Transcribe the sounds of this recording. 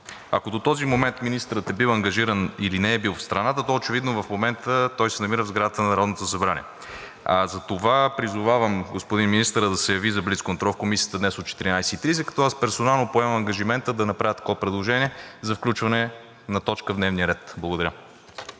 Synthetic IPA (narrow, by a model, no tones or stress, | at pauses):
ɐkod̪ot̪ɔzimomɛnt̪minist̪əɾət̪ɛbilˠɐŋɡɐʒiɾənilinɛɛbilˠfst̪ɾɐnat̪ət̪ɔot͡ʃɛvid̪novɐfmomɛnt̪ət̪ɔjsɛnɐmiɾəvzɡɾad̪ət̪ənɐnɐɾɔd̪not̪osɐbɾanʲḭɛ | azɐt̪ovapɾizovavəmɡospod̪inminist̪əɾəd̪ɐsɛjɐvizɐblit̪kont̪ɾɔlˠfkomisijət̪əd̪nɛsot̪̚t͡ʃɛt̪iɾinajsɛ̥it̪ɾizɛkɐ̥t̪ɔaspɛɾsonalˠnopoɛmɐmɐŋɡɐʒimɛnt̪əd̪ɐnɐpɾavʲjət̪ɐ̥kɔpɾɛd̪lˠoʒɛniɛzɐfklʲut͡ʃvɐnɛ | nɐt̪ɔt͡ʃkəvd̪nɛvniəɾɛt̪blˠɐɡod̪ɐɾə